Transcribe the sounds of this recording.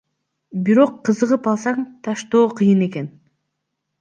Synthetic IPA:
biɾo̞qːɯzɯʁɯpɑlˠsɑŋt̪ʰɑʃt̪o̞ːqʰɯjɯne̞ke̞n

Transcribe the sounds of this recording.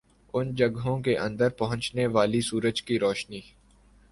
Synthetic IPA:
ʊnd͡ʒɐɡɦõkeʔɐ̃nd̪əɾpɐɦʊ̃ɲt͡ʃneʋaːlisuːɾəd͡ʒkiɾɔːʃniː

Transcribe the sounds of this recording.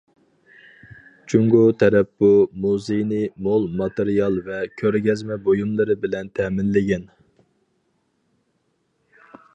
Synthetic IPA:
t͡ʃʰuŋɡut̪ʰɛɾɛpːumuzejnɪmolˠmɑt̪eɾijɑlˠvɛkʲʰøɾɡʲɛzmɛbojumlˠɨɾɨbɪlɛnt̪ʰɛmɪnlɪɡʲɛn

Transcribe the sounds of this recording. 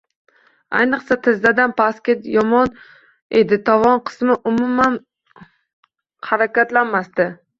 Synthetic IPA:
a̰jnɨqsat̪ʰɪzd̪ad̪anpʰaskʲet̪jɒmɒn | ḛd̪ɪt̪ʰɒvɒnqʰɨ̥smɪʔʊmʊman | haɾakʲat̪lanmast̪ɪ

